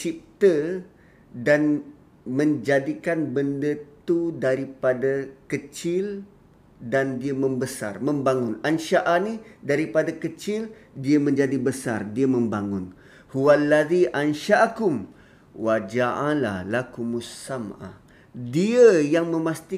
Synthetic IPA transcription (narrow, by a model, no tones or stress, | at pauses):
t͡ʃip̚t̪ə | dan | mə̃ɲd͡ʒadikanbəndət̪udaɾipadakət͡ʃɪl | dandiəmə̃mbəsa̰rmə̃mbaŋʊnanʃaʔanidaɾipadakət͡ʃɪl | diəmə̃ɲd͡ʒadibəsa̰rdiəmə̃mbaŋʊn | huwalːaðiʔanʃaʔkʊm | wad͡ʒaʔala̰hlakumusama̰ | diəjaŋmə̃mast̪i